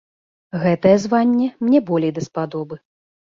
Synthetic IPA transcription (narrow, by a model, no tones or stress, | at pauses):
ɣɛt̪ɐjɛzvanʲːɛmnʲɛbɔlʲejd̪ɐspad̪ɔbɨ